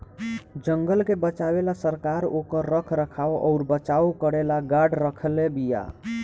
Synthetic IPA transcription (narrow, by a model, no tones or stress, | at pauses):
d͡ʒəŋɡəlkebət͡ʃabelasəɾkaɾokəɾːəkʰɾəkʰawʔɔ̰ʊɾbət͡ʃawkəɽelaɡaɽɾəkʰəlebija̰